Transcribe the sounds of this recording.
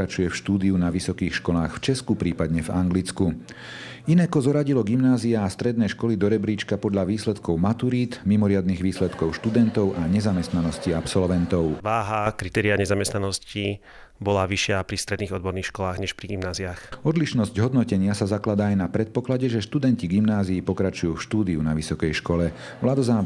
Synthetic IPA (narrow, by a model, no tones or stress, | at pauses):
ɾat͡ʃujɛfʃt̪uːd̪iunaʋisɔkiːxʃkɔlaːxft͡ʃɛskupɾiːpad̪ɲɛvaŋɡlit͡sku | inɛkɔzɔɾaɟilɔɡimnaːziaːst̪ɾɛd̪nɛjʃkɔlid̪ɔɾɛbɾiːt͡ʃkapɔd̪ʎaʋiːslɛt̪kɔʊmat̪uɾiːt̪mimɔɾɪad̪niɣʋiːslɛt̪kɔʊʃt̪ud̪ɛnt̪ɔʊʔaɲɛzamɛst̪nanɔsciapsɔlʋɛnt̪ɔʊʋaːɦakɾit̪ɛːɾiaɲɛzamɛst̪nanɔsci | bɔlaʋiʃɪapɾist̪ɾɛd̪niːɣɔd̪̚bɔɾniːxʃkɔlaːɣɲɛʃpɾiɡimnaːziaxɔd̪liʃnɔzɟɦɔd̪nɔcɛɲɪasazaklad̪aːjnapɾɛt̪̚pɔklaɟɛʒɛʃt̪ud̪ɛnciɡimnaːziːpɔkɾat͡ʃujuːfʃt̪uːd̪iunaʋisɔkɛjʃkɔlɛ | ʋlad̪ɔzaː